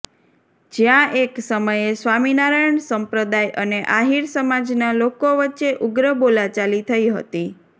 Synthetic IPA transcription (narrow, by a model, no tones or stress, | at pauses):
d͡ʒjãʔeksəməjesʋaminaɾajəɳsəmpɾəd̪ajʔəneʔaɦiɾsəmad͡ʒnalokoʋətːʃeʔuɡɾəbolat͡ʃalit̪ʰəiɦə̰t̪i